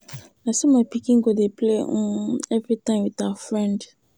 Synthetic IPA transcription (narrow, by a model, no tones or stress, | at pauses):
naɪsemaɪpikĩŋɡodepʰleɔ̃ɛvɹitãɪ̃mwiðawəfɹɛ̃nd